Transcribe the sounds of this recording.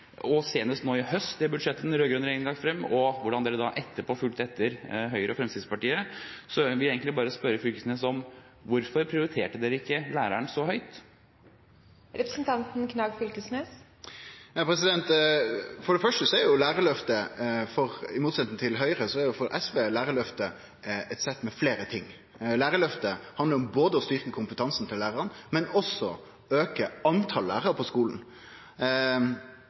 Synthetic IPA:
ɔseːnəst̪noːɪhœst̪d̪ɛbʉd̪ʂɛt̪ːənɾøːɡɾʉnəɾɛŋnɡ̪ɑŋfɾɛmːɔʋʊɖɑnd̪eːɾəd̪ɑʔɛt̪ːəpʰoːfʉlt̪ɛt̪ʰːəɾɦœʏɾəɔfɾɛmst̪ɪd̪spɑʈiːəsɔʋɪleːɡŋk̪t̪lɪbɑːɾəspœɾəfʏlkəsnesɔm | ʋʊɾfɔɾpʰɾɪʊɾɪt̪ʰeːʈəd̪eːɾəɪkːəlæːɾæɳsɔɦœʏt̪ | ɾɛpɾəsn̩t̪ʰɑnt̪n̩kʰnɑɡfʏlk̪əsneːs | pʰɾɛsɪd̪ɛnt̪ | fɔɖɛfœʂʈəsɔɛɾjʊlæːɾəlœft̪əfɔɾɪmuːt̪sɛt̪nət̪ʰɪlɦœʏɾəsɔɛæɾjʊfɔɾʔɛsʋeːlæːɾəɭœft̪ə | ɛt̪sɛt̪ːmɛfleːɾət̪ʰɪŋː | læːɾəlœft̪əhɑnd̪əɾɔmboːd̪əɔst̪ʏɾkəkʰʊmpət̪ʰɑnsn̩t̪ʰɪlːæːɾəɾənmɛnɔsɔ | øːkəɑnt̪ʰɑllæ̰ːʁəɾpʰɔskuːln

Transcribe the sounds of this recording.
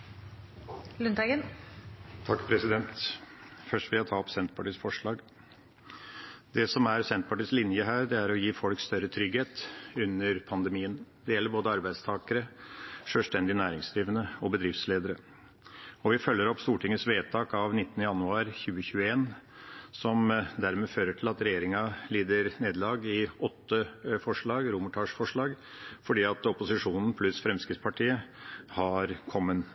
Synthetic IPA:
lʉnt̪æɡən | t̪ʰɑkːpʰɾɛsɪd̪ɛnt̪ | fœʂʈʋɪɑt̪ʰɑːɔpsɛnt̪pʰɑʈiːsfɔʂɭɑːɡ | d̪ɛsɔmæɾsɛnt̪pʰɑʈiːslɪnjəɦæːɾd̪ɛæɾɔjiːfɔlkst̪œɾət̪ʰɾʏɡheːt̪ʉnːəɾpʰɑnd̪ɛmiːənd̪ɛjɛlːəɾboːd̪əɑɾbæɪd̪st̪ʰɑːkəɾəʂøːlst̪ɛnd̪ɪnæːɾɪŋsd̪ɾiːʋənəɔbəd̪ɾɪft̪sleːd̪əɾə | ɔʋɪfœlːəɾɔpːst̪uːʈɪŋːəsʋeːt̪ʰɑːkɑʋnɪt̪ːənəjɑnʉɑːɾçʉːəçʉːəeːnsɔmd̪æɾmɛføːɾəʈʰɪlɑt̪ɾɛjeːɾɪŋɑliːd̪əɾneːd̪lɑːɡɪɔt̪ːəfɔʂɭɑːɡɾuːmʊʈʰɑːʂfɔʂɭɑːɡ | fɔɖiːɑt̪ɔpʊsɪʂuːnn̩pʰlʉsfɾɛmskɾɪt̪spʰɑʈʰiːəhɑɾkʰɔmːən

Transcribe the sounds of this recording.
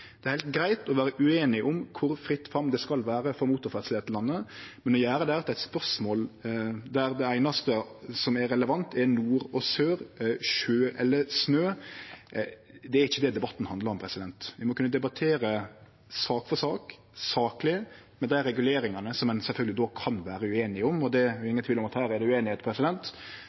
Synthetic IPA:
d̪̥ɛæɾhæɪlt̪̚ɡɾæɪt̪ɔʋæːɾəʔʉeːnɪʔʊmkʰʊɾfɾɪt̪ːfɑmd̪ɛskɑlʋæːɾəfɔɾmuːt̪ʊɾfæt̪slɪeɛt̪ʰːəlɑnːəmɛnɔjæːɾəd̪ɛæɾt̪ʰːæɪt̪spœʂmoːld̪æɾd̪ɛæɪnɑst̪əsɔmɛɾɛləʋɑnt̪ʰɛɾnuːɾɔsøːɾʃøːʔɛlːəsnøː | d̪ɛæɾɪçːəd̪ɛd̪ɛbɑt̪ːn̩hɑnd̪lɑɾɔmpʰɾɛsɪd̪ɛnt̪ʋɪmɔkʉnːəd̪ɛbɑt̪ʰeːɾə | sɑːkfɔsɑːk | sɑːklɪ | mɛnd̪æɪɾɛɡʉleːɾɪŋɑnəsɔmɛnsɛlfœlɡəlɪd̪oːkʰɑnʋæːɾəʉeːnɪɔmɔd̪ɛɛːŋət̪ʰʋiːlɔmɑt̪hæːɾɛd̪ɛʉeːnɪheːt̪pʰɾɛsɪd̪ɛnt̪

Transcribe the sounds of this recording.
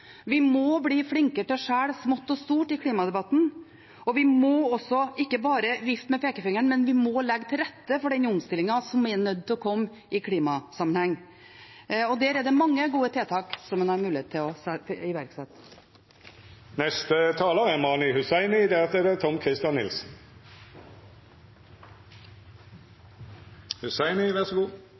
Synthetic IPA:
ʋɪmɔbliːfɽɪŋkəʈɔʂæːɽsmʊt̪ːɔst̪uːʈɪkʰliːmɑd̪ɛbɑt̪ːn̩ | ɔʋɪmɔɔsːɔɪkːəbɑːɾəjɪft̪mɛpʰeːkəfɪŋːəɳmɛnʋɪmɔlɛɡːt̪ʰɪlɾɛt̪ːəfɔɖɛnːəʊmst̪ɪlɪŋɑsɔmɛnœd̪̚ːt̪ʰɪlɔkʰɔmː | ɪkʰliːmɑsɑmənhɛŋː | ɔd̪æːɾɛd̪ɛmɑŋːəɡuːət̪ʰeːt̪ʰɑːksɔmːɛnɑɾmʉːlɪeːt̪ʰːɪlɔsɪʋæɾksɛt̪ | nɛst̪ət̪ʰɑːləɛmɑːnɪhʉsæɪnɪd̪ɛɑt̪əɾt̪ʰɔmkʰɾɪst̪jɑnːɪlsn̩ | hʉsæɪnɪʋæʁsɔɡuː

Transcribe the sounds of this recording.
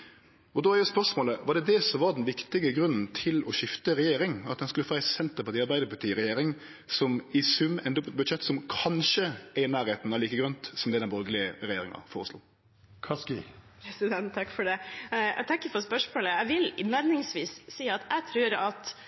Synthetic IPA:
ɔd̪ɔæɾjæspœʂmoːləʋɑɖ̪ɛd̪ɛsɔmʋɑd̪ɛnʋɪkt̪ɪɡəɡɾʉnːn̩t̪ʰɪlɔʃɪft̪əɾɛjeːɾɪŋɑt̪̚d̪ɛnskʉləfɑæɪsɛnt̪əɾpɑt̪iːɑɾbæɪd̪əɾpɑt̪ʰiːɾɛjeːɾɪŋ | sɔmɪsʉmɛnd̪əbʉd̪ʃɛt̪ːsɔmkʰɑnʃəænæːɾheːt̪nʋɑliːkəɡɾœnt̪sɔmd̪ɛd̪ɛnbɔlɡlɪəɾɛjeːɾɪŋɑ̰foːɾəslṵː | kʰɑskɪ̰pʰɾɛsɪd̪ɛnt̪ʰːɑkːfɔɖɛæ̰t̪ʰɑŋkːəɾfɔɾspœʂmoːləæʋɪlnæɾnɪŋsʋiːsːiːɑt̪ʰæt̪ʰɾʉːɾɑt̪

